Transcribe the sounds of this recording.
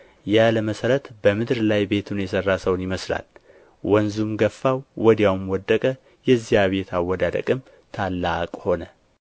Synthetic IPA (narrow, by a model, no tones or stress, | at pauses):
jaləməsəɾət̪bəmɨd̪ɾlajbe̞t̪ʰunjɛsərːasəwnjɪməsla̰l | wɔnzumɡəfːawːɔd̪jawmwɔd̪ːəkʼə | jɛzːijaβe̞t̪ʰawːɔd̪ad̪ə̰kʼɨm | t̪ʰalːakʼho̞nə